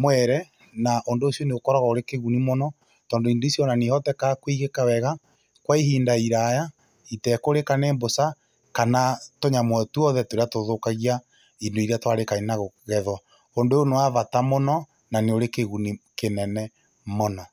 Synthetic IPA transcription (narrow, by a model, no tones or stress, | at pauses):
mwɛɾɛ | naʔondoːsjɔneɣokɔɾɔɣaoɾekeɣunimonɔ | tɔːndoindoisiɔnanehɔtɛkakwiɣekawɛɣa | kwaiɦiːndaiɾaja | itɛkoɾekaneːmbosa | kanatoɲamwɛtuɔðɛtoɾeatoðokaɣia | indoiɾeatwaɾekainaɣoɣɛðwa | ondoonowaβatamonɔ | naneoɾekeɣunikenɛnɛ | mɔna